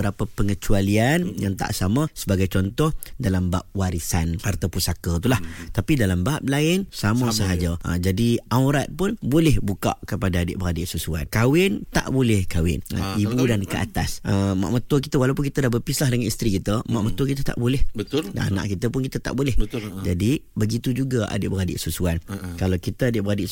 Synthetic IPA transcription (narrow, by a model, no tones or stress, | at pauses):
bəɾapəpəŋət͡ʃualianjaŋt̪a̰ʔsamə̃səbaɡajt͡ʃɔnt̪ɔhdalamba̰p̚waɾisanhart̪əpusakət̪ulaht̪apidalambap̚laɪnsamãsəɦad͡ʒəə̰d͡ʒadiawɾat̪̚pʊnbolɛhbuka̰ʔkəpadaːdɪ̰ʔbəadɪʔsusua̰t̪̚kawɪnt̪a̰ʔbolɛhkawɪ̰na̰ibudankəʔa̰t̪asəma̰ʔmət̪əki̥t̪əwalawp̬ʊnkit̪ədahbəpislahdəŋanist̪ɾikit̪əmaʔmət̪wəkit̪ət̪a̰ʔbolɛhbət̪da̰ʔa̰na̰ʔkit̪əpʊnkit̪ət̪a̰ʔbolɛhd͡ʒadibəɡit̪ud͡ʒuɡaa̰dɪʔbəadɪ̰ʔsusuankalawkit̪əadɪʔbəɾadɪʔ